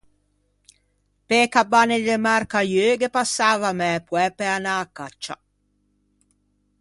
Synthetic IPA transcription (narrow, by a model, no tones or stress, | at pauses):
pekabːaned̪emarkajøːɡepasːaːvamɛpwɛpeanaːkːat͡ʃːa̰